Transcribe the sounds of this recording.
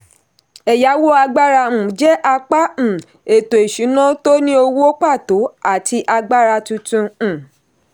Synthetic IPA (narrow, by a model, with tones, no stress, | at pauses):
ɛ˨ja˨˦wo˦a˧ɡ͡ba˦ɾã˧˨d͡ʒɛ˦ʔa˧k͡pa˦˨ | e˨to˨e˨ʃũ˨˦nã˦to˦nĩ˦o˧wo˦o˦k͡pa˦˨to˨˦a˦˨tʰi˧ʔa˧ɡ͡ba˦ɾa˧tũ˧tũ˧˨